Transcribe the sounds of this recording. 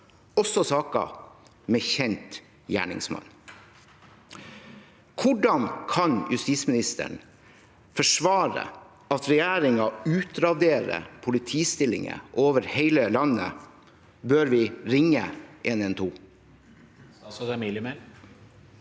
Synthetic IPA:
ɔsɔsɑːkɑ̰ | mɛːçɛnt̪ | jæ̰ːɳɪ̰ŋsmɑ̰n | kʰʊɖɑnkʰɑnjʉst̪iːsmɪnɪst̪ə̰ɳ | fɔʂʋɑːɾə̰ | ɑt̪ɾɛjæːɾɪŋɑʉːt̪ɾɑd̪eːɾə̰pʰʊlɪt̪ʰiːst̪ɪlɪ̰ŋə̰ʔoːʋəɾheɪləlɑnə̰ | bøːɾʋɪːɾɪŋːəʔeːnɛnt̪ʰuː | miləme

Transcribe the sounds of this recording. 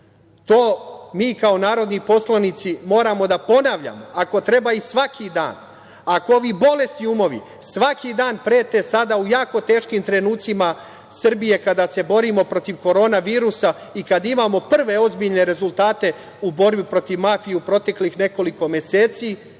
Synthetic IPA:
t̪oːmiːkao̞naːɾo̞d̪nipo̞slˠanit̪simo̞ːɾamo̞d̪apo̞naʋʎa̰mo̞ako̞t̪ɾe̞baisʋakʰid̪a̰ːn | akooʋibo̞le̞st̪iumo̞ʋḭ | sʋakid̪aːnpɾeːt̪e̞sad̪aujaːko̞t̪e̞ːʃkimt̪ɾe̞nuːt̪sima | sr̩bije̞kad̪ase̞bo̞ɾimo̞pɾo̞t̪iʋko̞ɾo̞ːnaʋiːɾusa | ikad̪imamo̞pr̩ʋe̞o̞zbiʎne̞ɾe̞zulˠt̪aːt̪e̞ | ubo̞ɾbipɾot̪iʋmafijeupɾo̞t̪e̞klixne̞ko̞liko̞me̞se̞ːt̪si

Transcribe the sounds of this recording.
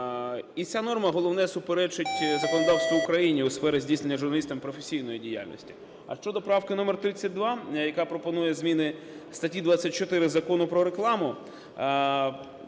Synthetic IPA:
it͡sʲanɔrmɐɦɔlˠɔwnɛsʊpeɾɛt͡ʃɪtʲzɐkɔnɔd̪ɑwst̪ʋɔʊkɾɐjinʲiʊsfɛɾɪzʲdʲijsne̞nʲːɐʒʊrnɐlʲist̪ɐmpɾɔfesʲijnɔjidʲija̰lʲnɔ̰sʲtʲi̥ | ɐ̰ʃt͡ʃɔd̪ɔpɾɑwkɪnɔmert̪ɾɪt͡sʲːɐt̚ʲd̪ʋɑjɐkapɾɔpɔnujɛzmʲinɪ | st̪ɐtʲid̪ʋat͡sʲːɐt̚ʲt͡ʃɔt̪ɪɾɪzɐkɔnʊpɾɔɾeklˠɑmʊ

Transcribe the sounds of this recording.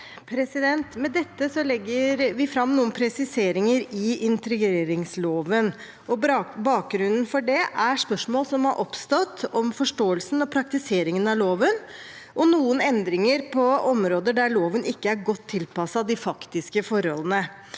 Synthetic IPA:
pʰɾɛsɪd̪ɛnt̪mɛd̪ɛt̪ːəsɔlɛɡːəɾʋɪfɾɑmnuːənpʰɾɛsɪseːɾɪŋəɾɪɪnt̪ɾɛɡeːɾɪŋsloːʋən | ɔbɑːk̚ɡɾʉnn̩fɔɖɛʔæʂpœʂmoːlsɔmhɑɾʔɔpst̪ɔt̪ːɔmfɔʂʈoːəlsn̩ɔpʰɾɑk̚t̪ɪseːɾɪŋənɑloːʋən | ʔɔnuːənɛnd̪ɾɪŋəɾpʰɔɔmɾoːd̪əɖæɭoːʋənʔɪkːəæɾɡɔt̪ʰːɪlpɑsɑd̪ɪfɑkt̪ɪskəfɔɾhɔlənə

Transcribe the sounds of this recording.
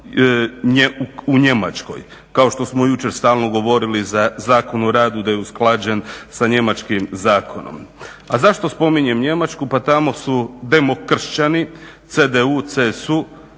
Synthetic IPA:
ɲeuɲe̞ma̰t͡ʃko̞̰j | kao̞ʃt̪o̞smo̞jut͡ʃe̞ɾst̪aːlno̞ɡo̞ʋo̞ɾilizazaːko̞nuɾaːd̪ud̪ajeusklˠaːd͡ʑensaɲe̞mat͡ʃkimzaːkʰo̞no̰m | azaʃt̪o̞spo̞miɲe̞mɲe̞mat͡ʃkupat̪amo̞sud̪e̞mo̞kr̩ʃt͡ɕani | t̪sed̪eut̪sesu

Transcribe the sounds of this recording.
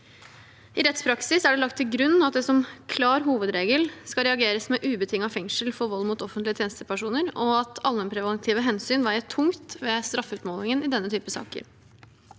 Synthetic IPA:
ɪɾɛt̪spʰɾɑksɪsæɖɛlɑk̚t̪ʰːɪlɡɾʉn̩ːɑt̪̚d̪ɛsɔmkʰlɑːɾɦuːʋəd̪ɾeːɡəlskɑɾɛɑɡeːɾəsmɛʔʉːbət̪ʰɪŋːɑfɛŋʂəlfɔɾʋɔlːmʊt̪ɔfənt̪lɪət̪ʰjeːnst̪əpʰæʂuːnəɾɔɑt̪ʰɑlmɛnpʰɾɛʋɑnt̪ʰɪːʋəɦɛnsyːnʋɑːɾɛt̪ʰʊŋt̪ʋɛst̪ɾɑfʉːt̪moːlɪŋənɪd̪ɛnːət̪ʰyːpəsɑ̰ːkə̰ɾ

